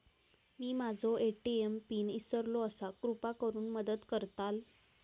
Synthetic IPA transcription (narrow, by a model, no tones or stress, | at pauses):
miːmad͡zʱɔʔeʈiempiːnisəɾlɔəsakɾupakəɾuːnməd̪əd̪kəɾt̪al